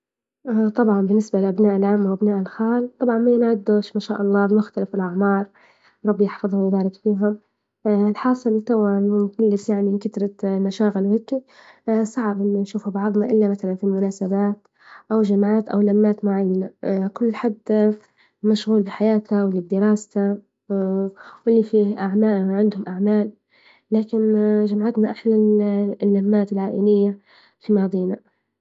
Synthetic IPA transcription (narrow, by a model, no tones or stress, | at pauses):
ʔt̪ˤɑbʕɑnbɪnːɪsbalɪʔabnaːʔɪlʕamːwʔabnaːʔɪlxaːlt̪ˤɑbʕɑnmajɪnʕad̪ːoːʃmaʃaːʔɑlˤːɑːbmʊxt̪alɪfɪlʔaʕmɑːɾˤ | ɾˤɑbːjɪħfɑðˤhʊjbaːɾˤɪkfiːɦʊm | ɪlħɑːsˤɨlt̪awaɪɪlːɪsjaʕnikat̪ɾˤɑmaʃaːɣɪlwheːkːi | sˤɑʕbʔɪmːanʃuːfubɑʕðˤnɑʔɪlːamaθalanfilmʊnaːsabaːt̪ | ʔawʒamʕaːt̪ʔa̰wlamːaːt̪mʊʕajːanakʊlːħad̪ | maʃɣuːlbɪħajaːt̪awɪlːibd̪ɪɾɑːst̪a | wʔɪlːifiʔaʕmaːʔʕɪnd̪hʊmʔaʕmaːlː | aːkɪnʒamʕat̪naʔaħlanlːamːaːt̪ɪlʕaːʔɪlɪjːa | fimad̪ˤiːna